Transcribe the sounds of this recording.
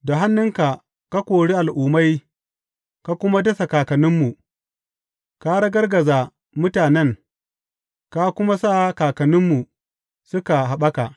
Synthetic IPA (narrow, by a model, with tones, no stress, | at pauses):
da˨ɦa˦nːʊ˦ŋka˨ | ka˦kʷoː˨ɽi˦ʔa˨lʔuː˨ma˦j | ka˦kʷʊ˦ma˦dɐ˦sa˨kaː˨kɐ˨nɪ˦mːu˨ | ka˦ɽɐ˦ɡɐ˦rɡɐ˨zaː˨ | mʊ˦taː˨nɛ˦ŋ | ka˦kʷʊ˦ma˦sa˦kaː˨kɐ˨nɪ˦mːu˨ | sʊ˦ka˨ɦa˨ɓɐ˦ka˨ʔ